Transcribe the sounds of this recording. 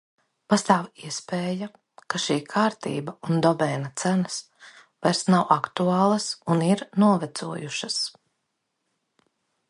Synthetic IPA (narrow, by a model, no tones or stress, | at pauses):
past̪aːwiɛspeːja | kaʃiːkʰaːɾt̪ḭːbaund̪ɔbɛːnat̪sænɐs | vajɾsnawʔakt̪uaːlˠɐsuniɾnuɔvɛt̪suɔjuʃɐs